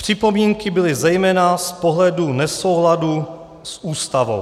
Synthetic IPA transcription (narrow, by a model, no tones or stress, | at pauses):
pr̝̥ɪpo̞miːŋkɪbɪlɪzɛjmɛːnaspoɦlɛdunɛso̞wɦladu | sʔuːst̪avo̰w